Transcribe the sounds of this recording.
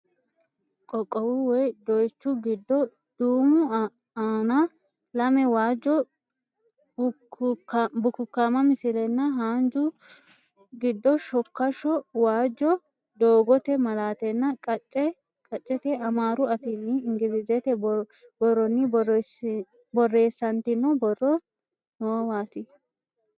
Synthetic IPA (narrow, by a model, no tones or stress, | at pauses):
kʼɔkʼːɔwʊwɔjd̪ɔjt͡ʃːʊɡɪd̪ːɔ | d̪̥uːmʊ | aːnɐ | lɐmɛwaːd͡ʒːɔ | bʊkːʊkːamɐmɪsɪlɛnːɐɦaːnd͡ʒʊ | ɡɪd̪ːɔʃɔkːɐʃɔwaːd͡ʒːɔ | d̪oːɡɔt̪ɛmɐlaːt̪ɛnːɐkʼɐt͡ʃʼːɛ | kʼɐt͡ʃʼːɛt̪ɛɐmaːɾʊɐfɪnːɪɪŋɡɪɾɪzɛt̪ɛ | bɔrɔnːɪ | bɔrːe̞ːsːɐnt̪ɪnːɔbɔrːɔ | nɔwɔwaːt̪ɪ